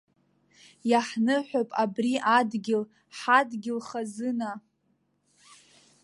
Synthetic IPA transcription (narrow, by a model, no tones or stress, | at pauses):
jaħnɨħʷᶣapʼabriʔadɡʲɪl | ħadɡʲɪlχazɨna